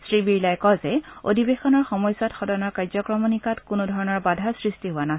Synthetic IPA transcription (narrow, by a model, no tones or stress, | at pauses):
sɹibiɹlajkɔzɛo̰dʱibexɔnɔɹxɔmɔjsɔtxɔdɔnɔɹkaɹzɔkɹɔmɔnikatkʊnʊdʱɔɹɔnɔɹbadʱaɹsɹistiɦʊwana